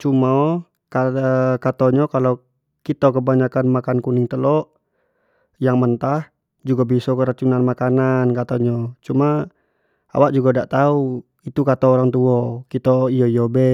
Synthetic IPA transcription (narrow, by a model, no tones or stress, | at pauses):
t͡ʃumao | kakat̪oɲɔkalo | kit̪ɔkəbaɲakanmakankuniŋt̪əlɔʔ | jaŋmənt̪ah | d͡ʒuɡabisɔkəɾat͡ʃunanmakanankat̪oɲɔt͡ʃuma | a̰waʔ̚d͡ʒuɡadaʔt̪au | it̪ukat̪ɔːɾaŋt̪uɔkit̪ɔijɔijɔbɛ